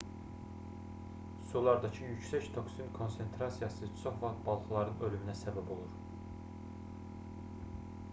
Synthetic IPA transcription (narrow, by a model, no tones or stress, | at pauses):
sulˠɑɾd̪ɑcʰɯjycsæct̪ʰo̞ksinkʰo̞nse̞nt̪ʰɾɑsijɑsɯt͡ʃʰoχvɑχt̪̚bɑlˠχɯlˠɑɾɯnø̞lyminæsæbæbo̞lˠuɾ